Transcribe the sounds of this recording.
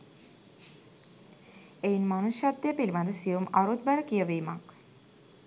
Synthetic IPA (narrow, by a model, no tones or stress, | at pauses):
ejinmanusjat̪ːejəpiliʋand̪əsijumaɾut̪̚bæləkijəʋimak